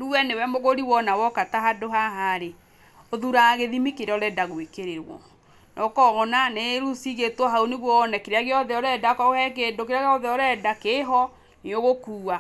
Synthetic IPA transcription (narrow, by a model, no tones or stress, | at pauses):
ɾuwɛnewɛmoɣoɾiwɔnawɔkataɦadoɦaɦaɾe | oðuɾaɣeðimikeɾɔɾɛdaɣwekeɾeɾwɔ̰ | nʔɔkɔɣɔnaneɾusiɣetwɔɦauneɣwɔnɛkeɾeaɣeɔðɛɔɾɛdakɔohɛk̬eːdokeɾeaɣɔðɛɔɾɛdakeɦɔ | neoɣokuːa